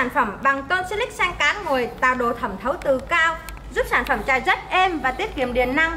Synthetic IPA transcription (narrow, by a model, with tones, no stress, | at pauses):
aː˧˩nfə˧˩mɓa˨˩ŋkə˧wt͡ɕ̚ːlï˦˥k̚sɛ˧jŋ̟kaː˨˦nŋo˨˩əjt̪aː˧˨˩wɗo˧˨˩t̪ʰə˧˩mt̪ʰə˨˦wt̪ɨ˨˩kaː˧w | zu˦˥p̚saː˧˩nfə˧˩mt͡ɕaː˨˩jzə˦˥t̚ʔɛ˧mvaː˨˩t̪i˦˥əp̚ki˧˩əmɗḭ˧˩ənːa˧ŋ